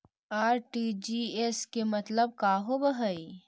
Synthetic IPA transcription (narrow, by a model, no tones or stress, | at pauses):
aːɾʈid͡ʒieskemɐt̪ləb̚kaːɦobəɦəi